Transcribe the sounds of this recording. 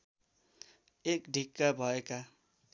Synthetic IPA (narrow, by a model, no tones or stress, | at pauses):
ekɖʱikːabʱʌeka